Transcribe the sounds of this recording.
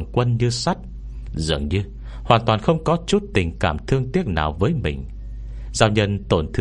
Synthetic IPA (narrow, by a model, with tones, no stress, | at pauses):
ŋkwə˧nɲɨ˧sa˦˥jk̚ | zɨ̰˧˩əŋɲɨ˧ | hwaː˨˩nt̪waː˨˩nxə˧wŋ͡mkɔ˨˦t͡ɕu˦˥t̚t̪ï˨˩ŋ̟kaː˧˩mt̪ʰɨ˧əŋt̪i˦˥ək̚na̰ː˨˩wvəː˨˦jmï˨˩ŋ̟ | zaː˧wɲə˧nt̪o˧˩nt̪ʰɨ˧